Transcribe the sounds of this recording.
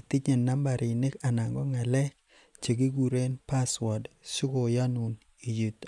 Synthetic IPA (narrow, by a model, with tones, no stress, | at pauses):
i˨t̪i˦t͡ʃe˨nːa˦mba˨ɾɪ˨nɪ˦ka˨na˨ŋɡɔ˦ŋa˨lɛ˦k̚ | t͡ʃe˨ɡi˦ɡu˨ɾe˦npa˦swa˨dsʊ˦ko˨ja˦nu˨n | i˨ji˨t̪